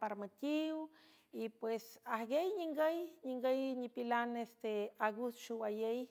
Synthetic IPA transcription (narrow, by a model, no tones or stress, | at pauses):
paɾmatʲiw | ipwesahɡejɲiŋɡəjɲiŋɡəjɲipilanest̪eaɡusʃuwajej